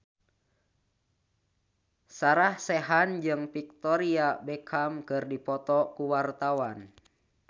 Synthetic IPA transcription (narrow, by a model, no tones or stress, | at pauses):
saɾahsɛɦand͡ʒɨŋpik̚t̪ɔɾiabɛkʰamkɨrdipɔt̪ɔkuwart̪awan